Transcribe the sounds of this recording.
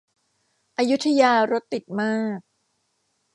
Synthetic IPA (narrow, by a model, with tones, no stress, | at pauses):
ʔa˧ju˦˥t̪ʰːa˧jaː˧ɾo˦˥t̪ːi˨˩t̪̚maː˥˩k̚